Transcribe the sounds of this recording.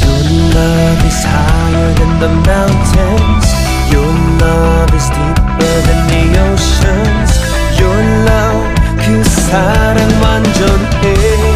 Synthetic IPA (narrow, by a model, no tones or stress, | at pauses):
jə˞ | lʌ | vɨz̥haɪɪə˞ðɨ̃nðəmãʊ̃ntʰɨnz̥ | jə˞ | lʌ | vɨzdip | ə˞ðɨ̃nɪoʊʃɨ | nz̥ | jə˞ | lʌv | kʰisaɾɨ̃nmãnd͡ʒɔ̃nʰ | e